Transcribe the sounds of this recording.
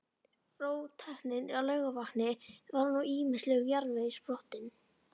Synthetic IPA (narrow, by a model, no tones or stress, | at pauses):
roːwt̪ʰahnɪnalœːɥɣavaknɪvaɾnuiːmɪnslɛɣjaɾvejspɾɔht̪ɪn